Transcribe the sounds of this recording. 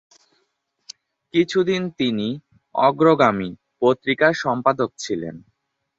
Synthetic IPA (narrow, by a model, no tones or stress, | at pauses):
kit͡ɕʰud̪int̪ini | ɔɡɾoɡami | pot̪ːɾikaɾʃɔmpad̪ok̚t͡ɕʰilḛn